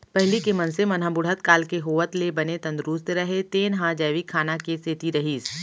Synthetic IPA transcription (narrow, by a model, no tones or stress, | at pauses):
pɛɦlikemɐnsemɐnɦãbʊɽ̤ɦət̪kaːlkeɦoːʋət̪lebɐnet̪ɐ̃nd̪ɾʊst̪ɾɐɦet̪eːnɦãd͡ʒɛːʋikʰaːnakeseːt̪iɾɐɦiːs